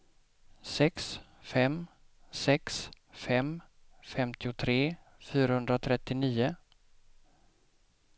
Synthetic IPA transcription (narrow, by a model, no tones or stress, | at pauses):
sɛks | fɛm | sɛks | fɛmfɛmt̪ɪʊt̪ʰɾeː | fyːɾahɵnd̪ɾat̪ʰɾɛt̪ːɪniːʊ